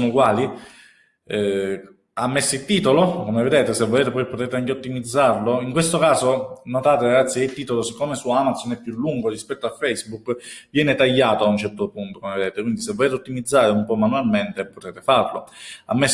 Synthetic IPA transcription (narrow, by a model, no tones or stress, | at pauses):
nukwaːli | ɛ | amːesːilt̪iːt̪olokomeved̪eːt̪esevːoleːt̪epɔjpot̪eːt̪eaŋkeot̪ːimid̪zːarloiŋkwest̪okaːzonot̪aːt̪eɾaɡat̪sːjieilt̪iːt̪olosikːoːmesuoamat̪sonɛpːjulːuŋɡorispɛt̪ːoafɛjsbukvjɛːnet̪aʎːaːt̪oaunt͡ʃɛrt̪opunt̪okomeved̪eːt̪ekwind̪isevːoleːt̪eot̪ːimid̪zːaːɾeumpɔmːanualment̪epot̪ɛːt̪efarlo̰a̰mːes